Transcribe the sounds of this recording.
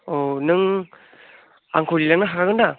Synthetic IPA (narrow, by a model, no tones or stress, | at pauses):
onɯŋ | a̰ŋkʰolilaŋnaɦakaɡɯnda